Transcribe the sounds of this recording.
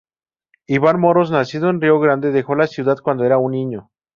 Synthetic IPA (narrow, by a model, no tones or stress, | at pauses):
iβanmo̞ɾosnasiðoenrioɣɾand̪e̞ðe̞xo̞lasjuðaðkwand̪oe̞ɾaunːĩɲo̞